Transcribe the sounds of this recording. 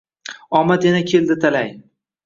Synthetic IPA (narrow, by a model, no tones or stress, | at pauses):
ɒmat̪janakʲʰe̞ld̪ɪt̪ʰalaj